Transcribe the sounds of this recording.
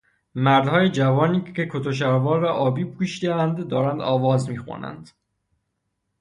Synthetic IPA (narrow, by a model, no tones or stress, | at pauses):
mæɾd̪hɒːjed͡ʒævɒːniːekʰot̪ʰoʃ̬æɾvɒːlɾɒʔɒːbiːpʰuːʃid̪eænd̪ːɒːɾænd̪ɒːvɒːzmiːxṵnæ̰nd̪̥